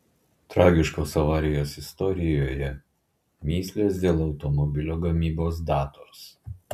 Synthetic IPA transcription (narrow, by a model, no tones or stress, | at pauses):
t̪ɾɑːɡʲɪʃkoːsɐʋɑːɾʲɪjoːsɪst̪ɔɾʲɪjoːjɛ | mʲiːsʲlʲeːsd̪ʲeːlˠɒʊt̪ɔmɔbʲɪlʲoːɡɐmʲiːboːsd̪ɑːt̪oːs